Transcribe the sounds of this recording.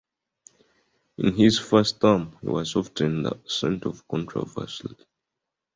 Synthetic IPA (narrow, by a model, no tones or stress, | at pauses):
ĩnɦiz̥fɜstamhḭwɔz̥ɔftʰnðə̰sɛ̃ntʰɔv̥kʰɔ̃ntʰɹɔ̰və̰s